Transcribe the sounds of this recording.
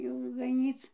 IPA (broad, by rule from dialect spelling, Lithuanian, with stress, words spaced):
jɛʊ ɡɐˈnʲiːt͡s